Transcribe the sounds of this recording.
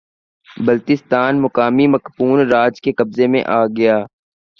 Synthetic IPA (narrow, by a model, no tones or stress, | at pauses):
bɐlt̪ɪst̪aːnmʊkaːmimɐkpuːnɾaːd͡ʒkekɐbzemḛ̃ʔaːɡɐjaː